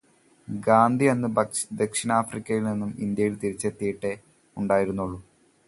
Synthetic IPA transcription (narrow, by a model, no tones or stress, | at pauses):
ɡaːnd̪ʱiɐnːɨd̪e̞kʂinaːfrikʲːɐjilninːumind̪jɐjilt̪iɾit͡ɕːet̪ːijiʈːe | uɳɖaːjiɾunːuɭːu